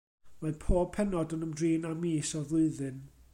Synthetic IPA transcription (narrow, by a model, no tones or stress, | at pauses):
mapʰoːb̚pʰɛnɔdənəmdriːnamiːsɔvlˠɨɨðɨn